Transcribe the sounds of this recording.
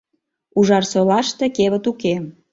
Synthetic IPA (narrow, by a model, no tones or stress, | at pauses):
uʒɑrsolɑʃt̪ekeβət̪ukem